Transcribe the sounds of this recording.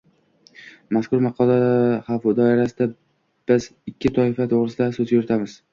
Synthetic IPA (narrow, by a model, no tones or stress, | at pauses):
maskʊɾmɑqʰɒlˠaχafd̪ɒɪɾasɪd̪a | b̥ɪzɪkʲːɪt̪ʰɒɪfat̪ʰoʁɾɪsɪd̪asɵzjʊɾɪt̪ʰamɪz̥